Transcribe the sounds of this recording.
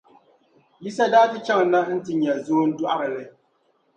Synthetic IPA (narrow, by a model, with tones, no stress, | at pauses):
ji˦sa˦daː˦tɨ˦t͡ʃa˦ŋ˨˦na˦n̩˦tɨ˨ɲɛ˨zoː˦n̩˦du˦ʔa˦ɾɨ˨lɨ˨